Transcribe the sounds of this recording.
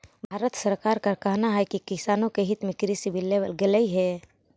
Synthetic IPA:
bʱaːɾət̪səɾkaːɾkəɾkəɦnaɦɛkikɪsaːnõkeɦɪt̪mẽkɾisibʱilːeʋə̰lɡeləiɦɛː

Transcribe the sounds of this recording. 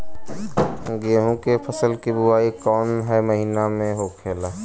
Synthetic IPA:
ɡeːɦũkepʰəsəlkibʊaːikɔːnɦɛməɦinamẽɦokʰeːla

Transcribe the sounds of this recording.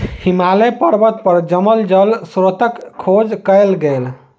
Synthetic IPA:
himalɛpəɾbət̪̚pəɾd͡ʒəməld͡ʒəlsɾot̪əkʰːod͡ʒkəjlɡel

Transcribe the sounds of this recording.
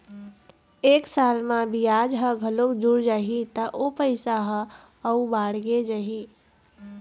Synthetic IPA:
eːksalmãbʱiaːd͡ʒɦəɡʱəlokd͡ʒuɽd͡ʒaːɦit̪əʔopəɪsaɦə | əubaːɽɡed͡ʒaɦi

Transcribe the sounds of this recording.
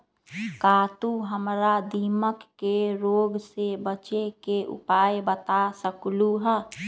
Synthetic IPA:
kaːt̪uɦəmɾad̪iːməkːeɾoːɡsebət͡ʃekeʔʊ̰paːebət̪asəkluɦɛ

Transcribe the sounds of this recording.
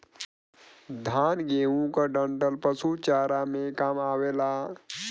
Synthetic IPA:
d̪ʱanɡeːũkəɖəɳʈəlpəsut͡ʃaːɾamẽkaːmaːwela

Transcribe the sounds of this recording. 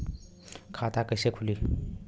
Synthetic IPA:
kʰat̪akəsekʰuli

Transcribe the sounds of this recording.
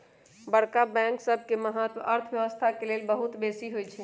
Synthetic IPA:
bəɽ̤kabɛ̃ŋksəbʱkeməɦat̪əɾt̪ʰʋjəʋəst̪ʰakelelbəɦut̪besiɦojt͡ʃʰɛ

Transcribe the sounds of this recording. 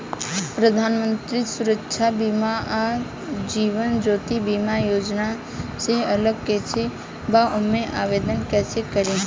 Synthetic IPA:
pɾəd̪ʱaːnmə̃nt̪ɾisʊɾəkʃʰabimaa | d͡ʒiːʋənd͡ʒoːt̪ibimajoːd͡ʒna | seələɡ̚ket͡ʃʰe | baʔʊmẽʔaːʋeːd̪ənkɛːsekəɾẽ

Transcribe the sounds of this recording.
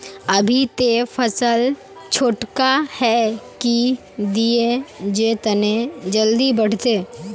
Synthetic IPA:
ɐbʱit̪efʰəsəl | t͡ʃʰoːʈkahɛki | d̪ied͡ʒet̪ɐned͡ʒəld̪ibəɽ̤t̪eː

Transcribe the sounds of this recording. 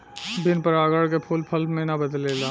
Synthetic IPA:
bɪnpəɾaːɡəɽkepʰʊlpʰɐlmẽnabəd̪lelaː

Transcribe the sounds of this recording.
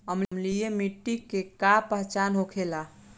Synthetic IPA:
əmlmlijemiʈːikːekapəɦt͡ʃanɦokʰela

